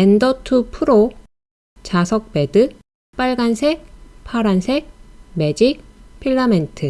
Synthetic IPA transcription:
endʌtʰupʰɯɾo | t͡ɕasʰʌk̚pe̞dɯ | p͈aɭɡansʰepʰaɾansʰeme̞d͡ʑik̚pʰiɭːamentʰɯ

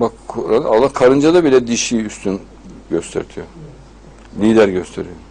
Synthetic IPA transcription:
bakʰuɾan̰alˠːakʰaɾɯnd͡ʒad̪abilʲɛd̪iʃiyst̪ʰyn | ɟøst̪ʰḛɾt̪ʰijø | lʲiːd̪æɾɟøst̪ʰeɾijø

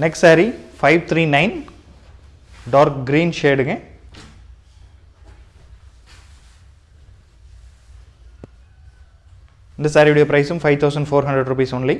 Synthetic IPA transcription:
nɛkssaːɾifɐɪʋt̪ʰɾiːnɐɪn | ɖaːɾkɡɾiːnʃeːɖɯŋɡɛ̃ | ɪnd̪ɐsaːɾiʋɽɪjɐpɾɐɪsɯmfɐɪʋt̪ʰɐʊsɐ̃ɳɖfoːɾɦɐɳɖɾɛɖɾuːpiːsʊnli

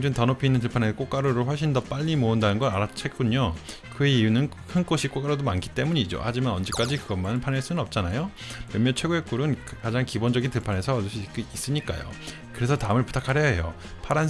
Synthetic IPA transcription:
d͡ʑɯntʌnopʰinːɯnt̬ɯɭpʰanek͈ok͈aɾoɾoɸwʌɭɕʰindʌp͈aʎːimoundanɯnɡʌnaɾat͡ɕʰek͈uɲo | kɯeijunɯn | kʰɯnk͈oɕʰik͈ok͈aɾodomankʰi̥t͈e̞muɲiid͡ʑo̰had͡ʑimanʌnd͡ʑek͈ad͡ʑikɯɡʌmanpʰaneɭs͈unɯnʌp̚t͡ɕ͈anajo | mjʌnmjʌnt͡ɕʰwe̞ɡoek͈uɾɯnkad͡ʑaŋkibond͡ʑʌɡintɯɭpʰane̞sʰʌɯɕʰik͈ɯis͈ɯɲik͈a̰jo̰ | kɯɾe̞sʰʌtaɯmɯɭpu̥tʰakʰaɾjʌɦḛjo̰ | pʰaɾan

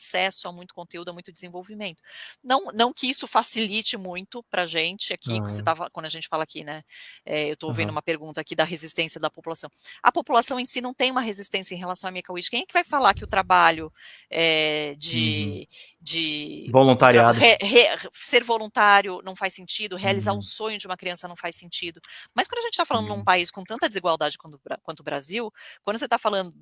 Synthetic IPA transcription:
asɛsʊamũj̃t̪ʊ̥kõnt̪eud̪ʊamũj̃t̪ʊd͡ʒɪzẽvowvimẽnt̪ʊ̥nɐ̃w̃nɐ̃w̃kɪisʊfasilit͡ʃɪmũj̃t̪ʊpɾɐʒẽnt͡ʃɪakikset̪avakwɐ̃nd̪ʊɐʒẽnt͡ʃɪ̥falɐakinɛɛewt̪oovẽnd̪ũmɐpeɾɡũnt̪ɐakid̪ɐɦezist̪ẽsiɐd̪ɐpopulasɐ̃w̃ɐ̰populasɐ̃w̃ẽsinɐ̃w̃t̪ẽj̃ũmɐɦezist̪ẽsjɐẽɦelasɐ̃w̃ɐmiɐkawit͡ʃkẽj̃ɛkɪvajfalaɾkɪʊt̪ɾabaʎʊ | ɛd͡ʒɪ | d͡ʒɪvolũnt̪aɾiad̪eheseɾvolũt̪aɾjʊnɐ̃w̃fajsẽnt͡ʃid̪ʊɦealizaɾʊ̃sõɲʊd͡ʒɪũmɐkɾiɐ̃sɐnɐ̃w̃fajsẽnt͡ʃid̪ʊmɐskɐ̃nd̪ɐʒẽnt͡ʃɪt̪afalɐ̃nd̪ʊnũpaiskõt̪ɐ̃nt̪ɐd̪ɪziɡwawd̪ad͡ʒɪkwɐ̃t̪ʊɾkwɐ̃nt̪ʊbɾaziwkwɐ̃d̪ʊs̬et̪afalɐ̃nd̪ʊ

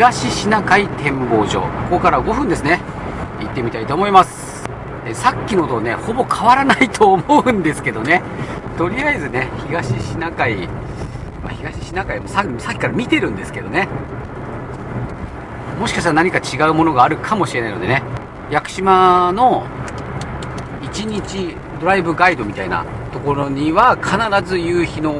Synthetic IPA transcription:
ɡaɕiɕinakait̪ẽ̞mbo̞ːʑo̞̰ːkokokokaɾaɡo̞ɸɯ̟nd̪e̞sɨne̞ | it̪ːe̞mʲit̪ait̪oːmo̞imasɨ̥ | esakʲːino̞t̪one̞ho̞bo̞kʰaβaɾanait̪ʰo̞ːmo̞ɯ̟̃nd̪e̞sɨ̥ke̞d̪o̞ne̞ | t̪o̞ɾʲiaizɨne̞çiɡaɕiɕinakai | ma̰çiɡaɕi̥ɕinakaimosasakʲi̥kaɾamʲit̪e̞ɾɯ̟̃nd̪e̞sɨ̥ke̞d̪o̞ne̞ | mo̞ɕikaɕt̪aɾanaɲ̟ikat͡ɕiɡaɯ̟mo̞no̞ɡaːɾɯ̟kʰamo̞ɕiɾe̞naijnod̪e̞ne̞ | jakɯ̟̥ɕimano̞ | it͡ɕiɲ̟it͡ɕi | d̪o̞ɾaibɯ̟ɡaid̪o̞mʲit̪aina̰t̪o̞ko̞ɾo̞ɲ̟iβakʰanaɾazɨjɯːçino̞

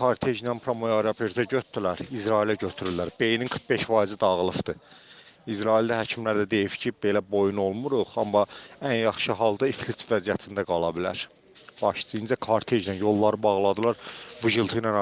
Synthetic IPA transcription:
kʰɑɾt̪ʰeʒnænpʰɾomojoɾɑpʰeɾt̪ʰæɟøt̪̚d̪ylæɾizɾɑilæɟøt̪ʰyɾylːæɾbe̞jininkʰɯɾχbe̞ʃfɑizid̪ɑʁlˠɯfd̪ɯ | izɾɑild̪æɦæcʰimlæɾd̪æd̪e̞jifcʰibe̞læbo̞juno̞lˠmuɾuʁɑmːɑænjɑχʃɯɦɑlˠd̪ɑiflit̪væzijæt̪ʰind̪æɡɑlˠɑbilæɾ | b̥ɑʃsɯinzækʰɑɾt̪ʰe̞ʒnænjo̞lˠːɑɾɯbɑʁlˠɑd̪ɯlˠɑɾvɯʒɯlˠt̪ʰɯjnɑn

